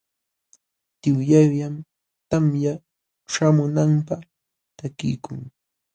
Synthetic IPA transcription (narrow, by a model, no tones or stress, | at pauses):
t̪ɪwjajjam | t̪amja | ʃamʊnampa | t̪akɪ̰jkʊ̰ŋ